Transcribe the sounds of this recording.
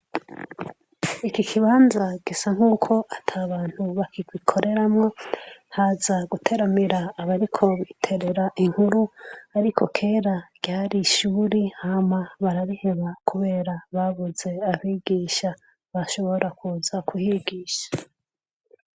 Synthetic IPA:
ikikʰiβaːnzaɡ̥isaŋ̥uːkʰo̞ʔatʰaːβaːn̥huβakikwikʰo̞ɾʔe̞ɾamŋo̞hazaɡutʰe̞ɾamiɾaːβaɾikʰo̞βitʰe̞ɾe̞ɾaʔiŋhuɾuaɾikʰo̞̰kʰe̞ːɾaɡ̥jaːɾiʃuːɾihamaβaɾaɾihe̞βakʰuβe̞ːɾaβaβuze̞aβiːɡiːʃa | βaʃo̞βo̞ɾʔakuzakʰuhiɡiːʃḁ

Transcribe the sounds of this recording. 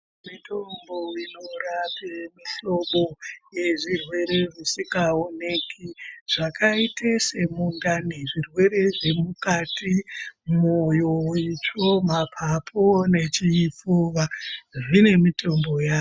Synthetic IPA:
mito̞mboinorapemiɬo̞ɓoje̞ʐirwe̞ɾe̞ʐisikaone̞kʰiʐ̥akaitʰesemundaneʐirwe̞ɾe̞ʐe̞mukatimojowit͡ʃo̞mapʰapʰone̞t͡ʃiːfuʋaʐine̞mitʰo̞mbo̞jaː

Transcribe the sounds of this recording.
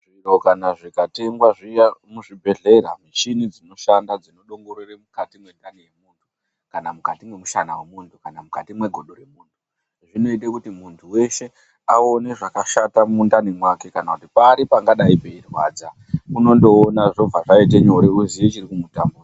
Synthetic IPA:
ʐiro̞kanaʐikate̞ŋɡwaʐijamuʐibʱe̞ɮe̞ɾamiʃinid͡zino̞ʃandad͡zino̞ɗo̞ŋɡo̞ɾeremukatimwe̞ndanije̞muːntʰu | kanamukatimwe̞muʃanawemuntʰukanamukatimwe̞ɡʱo̞ɗore̞muːntʰu | ʐino̞itekutimuntʰuwe̞ʃe̞ | a̰one̞ʐakaʃatamundanimwakekanakutipaɾipaŋɡaɗaipeirwa̰ːd͡za | uno̞ndo̞ːnaʐo̞vaʐait̬eɲo̞ɾeuzijet͡ʃirikumutambuːra

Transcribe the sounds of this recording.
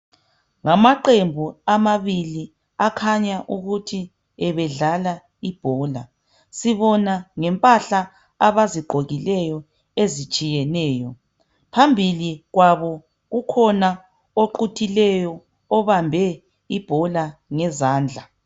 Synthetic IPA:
ŋamaǃembʱuamaβili | akʰaɲaʔuɣutʰi | ɛβɛɮala | ib̥ʱɔːla | siβɔnaŋɛmpʼaɬaː | βaziɡ͡ǃʱoɣilɛjɔ | ezit͡ʃʼijɛnɛːjɔ | pʰambʱiliɣwaβɔ | ɣukʰɔna | oǃutʰilɛjɔː | βambʱɛ | ib̥ʱɔlaŋɛzaːnd͡ɮʱa

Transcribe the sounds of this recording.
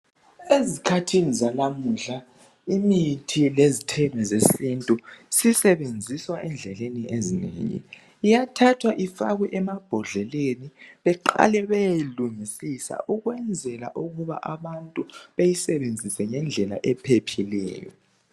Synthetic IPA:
ezikʰatʰinizalamuɬa | imitʰilezitʰɛβɛzesintʼusisɛβend͡zʱiswaʔɛnd͡ɮʱɛleniʔezinḛŋḭː | jatʰatʰwaʔifaɣwɛʔɛmab̥ʱɔɮɛleniβɛǃa̰lɛβejejiluŋisisa̰ʔuɣwɛnd͡zʱɛla̰ʔuɣuβa̰ʔaβantʼuβejisɛβend͡zʱisɛŋɛnd͡ɮʱɛla̰ʔɛpʰepʰilɛ̰ːjɔ̰

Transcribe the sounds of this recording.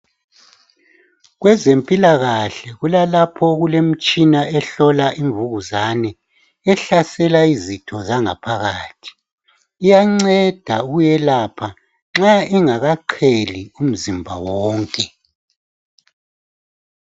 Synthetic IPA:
ɣwɛzempʼilaɣaɬɛɣulalapʰɔɣulem̩t͡ʃʼinaɛɬɔlaʔiɱvuɣuzanɛ | ɛɬasɛlaizitʰɔzaŋa̰pʰaɣaːtʰi̥ː | jaŋ͡ǀɛd̥ʱauɣujɛlaːpʰa | ŋ͡ǁaiŋaɣaǃʰelium̩zimbʱa̰wɔːŋkʼɛ

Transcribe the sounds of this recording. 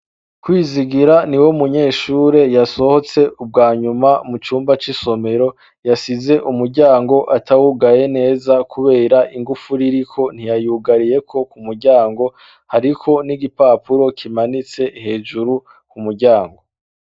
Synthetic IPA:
kwiːziɡiɾaniwo̞muɲe̞ːʃuːɾe̞jaso̞ho̞t͡se̞ub̚ɡaːɲumamut͡ʃuːmbat͡ʃiso̞me̞ɾo̞ | jasize̞ʔumuɾɟaːŋɡo̞ʔatawuɡaje̞ne̞ːzakʰuβe̞ːɾaʔiŋɡufuɾiɾikʰo̞n̥ijajuɡaɾije̞kʰo̞kumuɾɟaːŋɡo̞ | haɾikʰo̞niɡipaːpuɾo̞kʰimanit͡se̞he̞ːd͡ʒuɾu | kumuɾɟaːŋɡo̞

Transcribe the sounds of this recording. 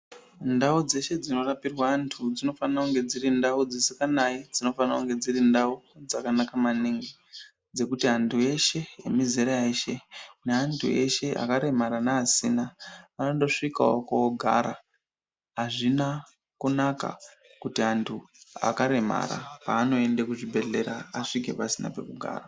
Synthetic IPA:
ndaud͡ze̞ʃe̞d͡zino̞rapirwaːntʰud͡zino̞fanakuŋɡe̞d͡ziɾindaud͡zisikanaid͡zino̞fanakuŋɡe̞d͡zirindaud͡zakanakamaniŋɡi | d͡ze̞kutiantʰue̞ʃe̞jḛmizeɾaeʃe̞neantʰṵe̞ʃe̞ʔa̰kaɾe̞maɾanaːsinaanodo̞ʂika̰okawoɡʱa̰ɾa | aʐina | kunaka̰ | kutiantʰua̰kaɾe̞ma̰ɾa̰paːno̞e̞ndekuʐibʱe̞ɮe̞ɾaaʂik̬e̞̰pasina̰pe̞̰kuɡʱa̰ːra

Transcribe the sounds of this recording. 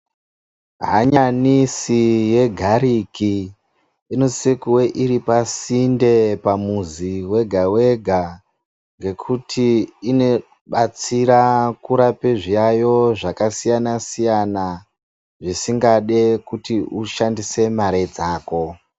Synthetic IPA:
ɦaɲanisije̞ɡʱaɾiki | inosekuwe̞ʔiɾipasinde̞pamuziwe̞ɡʱawe̞ɡʱa | ŋɡe̞kʰutʰiːne̞ | ɓat͡siɾakuɾapeʐijajo̞ʐakasijanasijana | ʐisiŋɡaɗe̞kutiuʃandise̞maɾe̞d͡zaːko̞

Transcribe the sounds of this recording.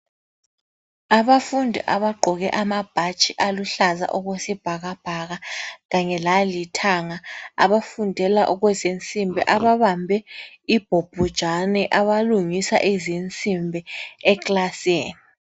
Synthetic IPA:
aβafundʱɛ̰ʔaβaɡ͡ǃʱɔɣɛʔamab̥ʱat͡ʃʼiʔaluɬaza̰ʔɔɣwesib̥ʱaɣab̥ʱaɣaɣaɲɛlalitʰaŋaa̰βafundʱɛlaʔɔɣwɛzint͡sʼimbʱɛ̰ʔaβaβambʱɛ | ib̥ʱob̥ʱud̥ʒ̥ʱanɛʔaβaluŋisa̰ʔɛzint͡sʼimbʱɛɛklaseːni

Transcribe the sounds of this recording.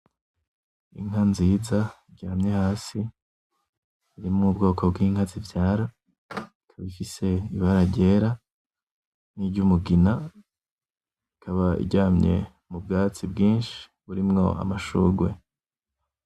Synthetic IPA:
ḭŋɦanziːzaiɟaːmɲehaːsi | iɾimŋuːbɡo̞ːkob̚ɡiːŋhazivjaːɾa | ikʰaβifise̞iβaɾaɟe̞ːɾa | niɟumuɡina | ikʰaβaḭɟaːmɲe̞̰ | mub̚ɡaːt͡sibɡiːnʃi̥βuɾimŋo̞̰a̰maʃṵːɡwe̞̰

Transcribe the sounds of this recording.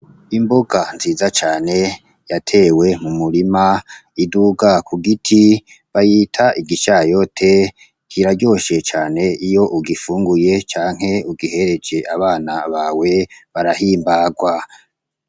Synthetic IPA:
imboɡanziːzat͡ʃaːne̞ | jatʰeːwe̞mumuɾimaiduɡakuɡitʰi | βajiːtʰaiɡiʃajotʰe | kiɾaɟo̞ːʃe̞t͡ʃaːne̞ʔijo̞ʔuɡifuːŋɡuje̞t͡ʃaːŋ̥he̞uɡihe̞ɾe̞d͡ʒe̞ʔaβaːnaβawe̞βaɾahiːmbaːɡwa

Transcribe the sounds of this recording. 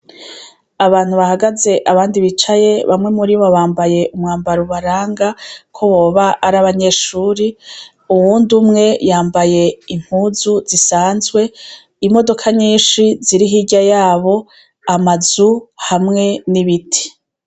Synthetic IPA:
aβaːn̥huβahaɡaze̞ʔaβaːndiβit͡ʃaje̞βamŋe̞muɾiβoβaːmbaje̞ʔumŋaːmbaɾuβaɾaːŋɡakʰo̞βo̞ːβaʔːɾaβaɲe̞ʃuːɾi | uwuːndumŋe̞jaːmbaje̞im̥huːzuzisaːnzɡwe̞ | imo̞do̞kʰaɲiːnʃiziɾiɦiɟajaːβo̞ | amazuhamŋe̞niβitʰi̥

